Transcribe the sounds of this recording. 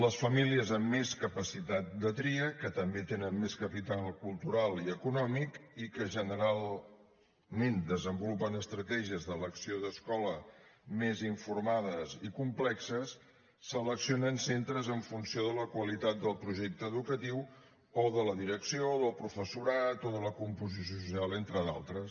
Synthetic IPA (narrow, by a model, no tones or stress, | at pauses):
ləsfəmiliəzəmːeskəpəsit̪at̪̚d̪ət̪ɾiəkət̪əmbet̪enənmeskəpit̪alˠkulˠt̪uɾalˠiəkunɔmikikəʒənəɾalˠ | mend̪əzəmbulupənəst̪ɾət̪ɛʒiəzðələksioðəskɔləmeziɱfuɾmaðəzikumplɛksəsː | ələksionənsent̪ɾəzəɱfunsioðələkwəlit̪at̪̚d̪əlˠpɾuʒɛk̚t̪əːðukət̪iw | oðələðiɾəksioðəlˠpɾufəsuɾat̪oðələkumpuzisjuos̬usialˠent̪ɾəða̰lˠt̪ɾəs